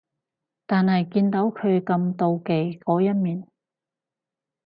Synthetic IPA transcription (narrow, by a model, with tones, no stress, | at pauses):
t̪aː˨nhɐ˨jkiː˧nt̪o˨˥wkʰɵ˨˧ɥkɐ˧mt̪o˧wke˨jkɔː˨˥jɐ˥t̚miː˨n